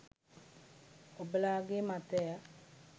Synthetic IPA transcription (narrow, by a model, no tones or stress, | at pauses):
oblaɡematɛa